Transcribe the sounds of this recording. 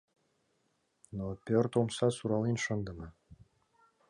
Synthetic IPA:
nopʲørt̪omsɑsuɾɑlinʃɤ̆nd̪ɤ̆mɤ

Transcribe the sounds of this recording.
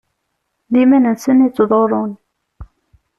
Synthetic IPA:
limænənsənit͡s̪ːðˤoɾˤʊn

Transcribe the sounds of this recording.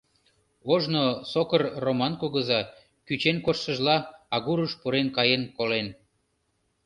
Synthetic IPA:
oʒnosokərromɑnkoɣəzɑ | kyt͡ɕenkorʃəʒlɑɑɣuɾəʃpuɾenkɑjenkolen

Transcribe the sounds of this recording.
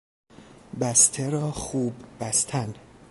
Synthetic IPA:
bæst̪ʰeɾɒːxuːbːæst̪ʰæn

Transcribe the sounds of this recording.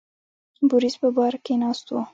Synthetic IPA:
bʊɾispəbɑɾkenɑst̪wo

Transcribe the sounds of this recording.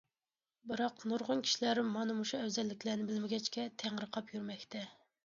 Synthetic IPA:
bɨɾɑqnuɾʁʊnkʲʰi̥ʃilæɾmːɑnɨmuʃuɛwzɛlːɪkʲʰlænɪbɪlmɪɡʲɛt͡ʃkʲɛt̪ʰæŋɾəqʰɑpjyɾmɛkʲt̪ʰɛ

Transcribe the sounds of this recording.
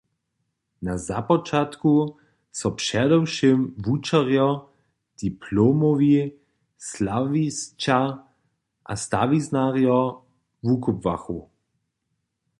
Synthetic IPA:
naza̰pɔt͡ʃat̪ku | sɔpʃɛd̪ɔwʃimvut͡ʃaʁjɔ | d̪̥ipʰloːmɔvi | slavist͡ʃa | ʔa̰st̪a̰ʋiznaʁjɔ | vukɔbvaxu

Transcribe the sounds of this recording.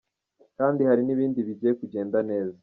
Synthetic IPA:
kaːndihaɾiniβiːndiβiɟijekuɟe̞ːndane̞ːza

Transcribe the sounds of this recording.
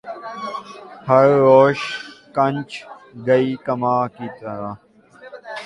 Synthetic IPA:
hʰɐɾːoːɕkɐnt͡ʃɡɐiːkɐmaːkit̪ɐɾa

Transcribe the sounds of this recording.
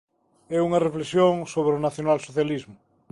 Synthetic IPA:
ɛuŋareflesjõŋsoβ̞ɾeonaθjonalsoθjalizmʊ

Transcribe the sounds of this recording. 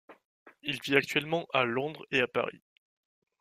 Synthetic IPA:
ilviak̚t̪ɥɛlmɑ̃ʔalɔ̃d̪ʁeapa̰ʁḭ

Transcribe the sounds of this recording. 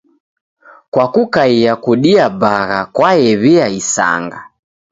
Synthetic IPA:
kwakukaiakuɗiabaɣakwajɛβiaisa̰ŋɡa

